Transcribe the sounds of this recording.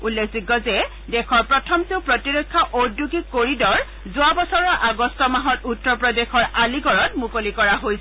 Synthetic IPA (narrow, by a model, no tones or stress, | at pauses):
ulːekʰziɡːɔzɛ | dɛkʰɔɹpɹɔtʰɔmteʊpɹɔtiɹekʰːɔʔoduɡikːoɹidɔɹ | zʊabɔsɔɹɔɹʔaɡɔstɔmaɦɔtutːɔpɹɔdexʰɔɹaliɡɔɹɔtmukolikɔɹaɦojsɛ